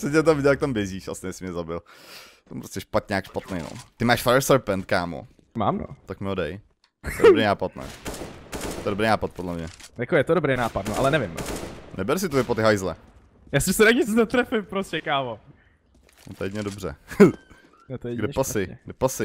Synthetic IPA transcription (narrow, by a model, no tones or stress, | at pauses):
sɛtɛt̪̬amvɪɟɛlak̚t̪ambjɛziːʃa̰sɪnɛjsɪmɲɛzabɪlt̪ɛmpɾoscɛʃpat̪ɲaːkʃpat̪nejno̰t̪ɪmaːʃfaɾɛɾsɛɾpɛnt̪̚kaːmo̰ | ma̰ːmno̰t̪akmɪodɛj | ɛt̪oɛobɾejnaːpat̪nɛ̰ː | ɛt̪oɛdobɾejnaːpat̪̚podlɛmɲɛjakojɛt̪odobɾejnaːpat̪noʔalɛnɛvɪm̰nɛbɛɾs̬ɪt̪ovɪpot̪ɪɦajzlɛ | jasɪsɛɾaɡɪszat̪ɾɛfɪmpɾoscɛkaːvo | not̪ɛjɛɲɛdobr̝ɛ̰ | nɛt̪ojɡdɛpasɪɛɡdɛpasɪ